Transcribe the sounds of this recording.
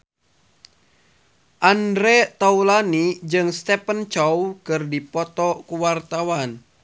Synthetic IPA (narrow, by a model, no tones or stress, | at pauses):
ʔandɾɛt̪aulanid͡ʒɨŋst̪ɛpənt͡ʃɔwkɨrdipɔt̪ɔkuwart̪awan